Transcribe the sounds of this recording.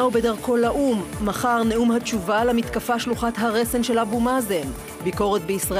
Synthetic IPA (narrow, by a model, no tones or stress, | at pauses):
ubedaʁko̞laʔumːaχaʁne̞ʔumhat͡ʃuvalamit̪kafaʃluχat̪ɦaʁese̞nʃe̞labumazem | biko̞ʁet̪beisʁa